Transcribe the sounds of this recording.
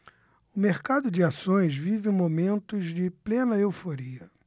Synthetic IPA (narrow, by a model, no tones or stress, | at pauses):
ʊmeɾkad̪ʊd͡ʒɪasõj̃zvivɪẽmomẽnt̪ʊzd͡ʒɪplẽnɐewfoɾiɐ